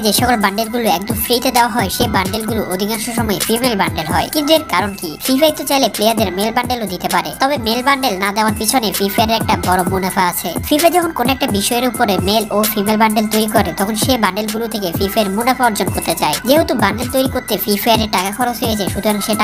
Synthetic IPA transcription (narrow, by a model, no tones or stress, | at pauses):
d͡ʑeʃɔkolbaɳɖelɡuloɛk̚d̪omfɾit̪ed̪eoaɦɔeʃebaɳɖelɡuluʔod̪ʱikanʃoʃɔmɔefimelbaɳɖelɦɔekint̪̬ueɾkaɾonkififʰat̪et͡ɕajleplejaɾd̪eɾmelbaɳɖelod̪it̪epaɾet̪ɔbemelbaɳɖelnad̪eoaɾpit͡ɕʰonefifajaɾeɾɛk̚ʈabɔɾomunafaat͡ɕʰefifad͡ʑɔkʰonkonoɛk̚ʈabiʃɔeeɾupoɾemelofimelbaɳɖelt̪ojɾikɔɾet̪ɔkʰonʃebaɳɖelɡulut̪ʰekefifaeɾmunafaoɾd͡ʑonkoɾt̪et͡ɕaed͡ʑeɦot̪ubaɳɖelt̪ojɾikoɾt̪efifajaɾeɾʈakakʰɔɾot͡ɕɦojed͡ʑaeʃud̪ʱoɾaŋʃeʈ